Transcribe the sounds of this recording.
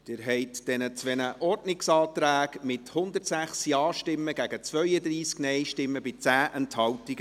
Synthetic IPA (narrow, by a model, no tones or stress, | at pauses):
d̥ɪːɾɦɛɪtd̥ɛnət͡sʋɛnəʔɔɾdnɪksɑːt̪ɾæːɡmɪthʊnd̪ətsæχsiɑːʃtɪmːəɡæɡət͡svœʏəd̪ɾiːsknɛjʃtɪmːəbɪt͡sæːʔɛnthɑwtiɡ̥